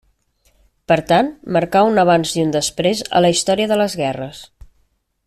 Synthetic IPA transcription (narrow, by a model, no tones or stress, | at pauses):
pəɾt̪anməɾkaunəβ̞anziund̪əspɾezə̰ləist̪ɔɾiəðələzɣɛrəs